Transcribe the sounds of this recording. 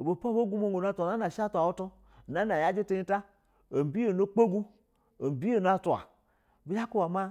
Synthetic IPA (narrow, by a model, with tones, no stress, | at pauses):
o˨bo˨po˦bo˦ɡu˦mo˦ŋ˨o˨n˦a˦ta˨na˦na˨ʃa˦ta˨wo˦to˦˨ | na˦na˨ja˦d͡ʒe˦te˦i˦ta˦ | o˨m˨bi˦o˨no˦k͡po˦ɡu˦ | o˨bi˦o˨n˦a˦tu˨a̰˨ | bi˨˦ja˦ku˦wa˨ma˦